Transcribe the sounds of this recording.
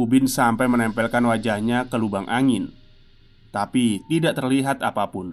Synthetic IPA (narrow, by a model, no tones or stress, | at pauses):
ubɪnsampajmənɛmpɛlkanwad͡ʒahɲakəlubaŋʔaŋɪn | t̪apit̪idaʔt̪ərliɦat̪apapʊn